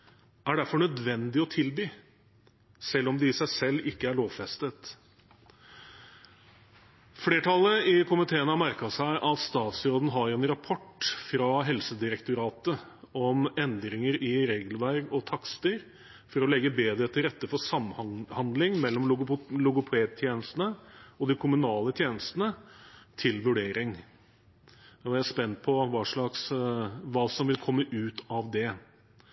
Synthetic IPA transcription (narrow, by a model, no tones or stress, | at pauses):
æɖæɾfɔɳœd̪ʋɛnd̪ɪɔt̪ʰɪlbyː | sɛlːɔmd̪ɪsæɪsɛlːɪkːəæɭoːʋfɛst̪ət̪ | fleːʈʰɑlːəɪkʰʊmɪt̪ʰeːənəhɑmæɾkɑsæɪʔɑt̪st̪ɑːt̪sɾoːd̪n̩ɦɑɾɛnɾɑpʰɔʈːfɾɑɦɛlsəd̪ɪɾɛkt̪ʊɾɑːt̪əɔmɛnd̪ɾɪŋəɾɪɾeːɡlʋæɾɡɔt̪ʰɑkst̪iɾ | fɔɾɔlɛɡːəbeːd̪ɾət̪ʰɪlɾɛt̪ːəfɔʂɑmhɑnd̪lɪŋmɛlːɔmʊlʊɡʊpʰeːd̪̚t̪ʰjeːnəst̪nəɔd̪ɪkʰʊmʉnɑːlət̪ʰjeːnəst̪ənət̪ʰɪlʋʉɖeːɾɪŋ | ɔæspɛnːpʰɔʋɑːʂɭɑksʋɑːsɔmʋɪlkʰɔmːəʔʉːt̪ɑʋd̪ɛ